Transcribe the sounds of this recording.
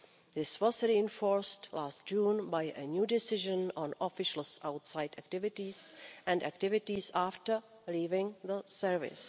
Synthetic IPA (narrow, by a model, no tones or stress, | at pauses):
ðɪswɔzɾiɪ̃nfoɹstlaːst̚d͡ʒũːnbajʔəɲjuːdɪsɪʒə̃nɔ̃nʔɔfɪʃl̩sʔawtsajdɛk̚tɪvɪtisʔɛ̃ndæktɪvɪtisaːftə˞ | liːvɪ̃ŋðəsɛɹvɪ̰s